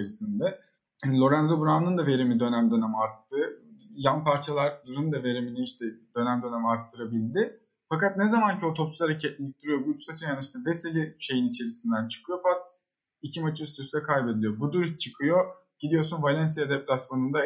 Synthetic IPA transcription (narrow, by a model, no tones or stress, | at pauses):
eɾisind̪ɛ | anlʲˠo̞ɾænzo̞buɾamnɯnd̪ave̞ɾimid̪ø̞næmd̪ø̞nemaɾt̪ʰːɯjanpʰaɾt͡ʃʰalˠaɾlˠaɾɯnd̪ave̞ɾiminiiʃt̪ʰɛd̪̥ø̞næmd̪ø̞ne̞miaɾt̪ʰːɯɾabilʲd̪ɪ | fakat̪̚nɛzamancʰiot̪ʰo̞psu̥aɾacʰɛt̪lʲic̚t̪ʰiɾijo̞but͡ʃusat͡ʃʰɯnjanɯʃt̪ɯnbeselʲiʃe̞jinit͡ʃʰe̞ɾisind̪ænt͡ʃʰɯ̥kʰɯjo̞pʰat̪ | icʰimat͡ʃʰɯst̪ʰyst̪ɛkʰajbe̞d̪ilʲijo̞bud̪uɾt͡ʃʰɯkʰɯjo̞ | ɟ̥id̪ijo̞ɾs̬unvalʲɛns̬ijad̪ɛplʲasmanund̪a